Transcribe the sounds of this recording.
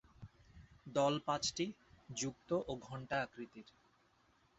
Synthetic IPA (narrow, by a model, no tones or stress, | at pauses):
d̪ɔlpãt͡ɕʈid͡ʑuk̚t̪oʔoɡʱɔɳʈaakɾit̪iɾ